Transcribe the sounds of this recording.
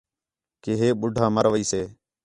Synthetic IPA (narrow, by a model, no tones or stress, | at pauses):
keɦeːɓʊɖʱãːməɾʋəiːseː